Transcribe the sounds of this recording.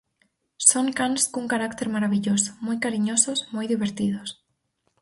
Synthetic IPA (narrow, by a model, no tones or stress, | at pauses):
soŋkanskuŋkaɾakt̪eɾmaɾaβiʎosʊ̥mojkaɾiɲosʊsmojðiβeɾt̪iðʊs